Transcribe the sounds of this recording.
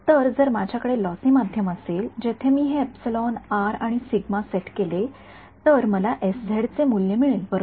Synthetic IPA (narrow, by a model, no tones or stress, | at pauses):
t̪əɾd͡zəɾmad͡ʑʱjakəɽelɔsĩːmad̪ʱjəməseld͡ʑet̪ʰemiːɦeːpsilɔnaɾaɽ̃isiɡmaseʈkele | t̪əɾməlaʔesd͡zʱeɽt͡semuljəmiɭenpəɾ